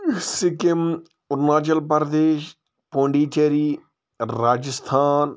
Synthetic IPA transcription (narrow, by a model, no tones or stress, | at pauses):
sɪkem | ʊɾnaːt͡ʃɐlpɐɾɐd̪eːʃ | põːɳɖiːt͡ʃɐɾi | ɾaːd͡ʒəst̪ʰaːn